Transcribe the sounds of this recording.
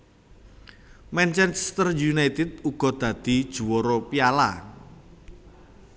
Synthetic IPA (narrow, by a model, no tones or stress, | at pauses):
mɛnt͡ʃɛnst̪ərjunajt̪ɪd̪̚uɡ̥ɔ̤d̪̥ä̤d̪̥i̤d̥ʒ̥ṳwɔɾopiala̰